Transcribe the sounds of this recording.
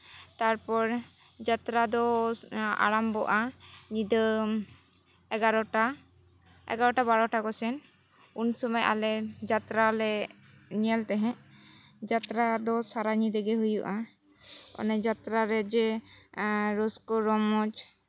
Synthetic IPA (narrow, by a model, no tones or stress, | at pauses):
t̪aɾpɔɾ | d͡ʒat̪ɾad̪ɔ | a̰ɾambɔʔanid̪ə | ɛɡaɾɔʈa | ɛ̰ɡaɾɔʈabaɽɔʈaɡɔsɛn | unsɔmajʔa̰lɛd͡ʒat̪ɾalɛ | niɛlt̪ɛɦɛ̃ | d͡ʒat̪ɾad̪ɔsaɾaɲid̪ɛɡɛɦujuʔa | ɔ̰nɛd͡ʒat̪ɾaɾɛd͡ʒɛ | ɾɔskɔɾɔmɔd͡ʒ